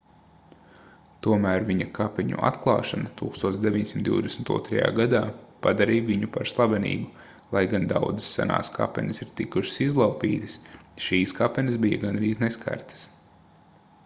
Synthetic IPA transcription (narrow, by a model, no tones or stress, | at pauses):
t̪uɔmæːɾviɲɐkapɛɲṵʔa̰t̪klˠɑ̰ːʃanat̪uːkst̪uɔsd̪eʋʲiɲsimt̪d̪ḭʊd̪esmt̪ṵɔt̪ɾɐja̰ːɡad̪aːpad̪aɾiːjviɲupaɾslˠabɛnḭːbu | lˠajɡand̪a̰wd̪zɨ̥sːa̰na̰ːskʰa̰pɛnɪsiɾt̪ikuʃi̥sizlˠawpḭːt̪ɨ̥sʃiːskapɛnɪsbija̰ɡanɾiːzneskʰa̰ɾt̪ə̥s